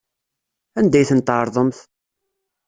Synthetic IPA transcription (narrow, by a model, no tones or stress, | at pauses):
ænd̪æjθənt̪ʕɾˤðˤəmθ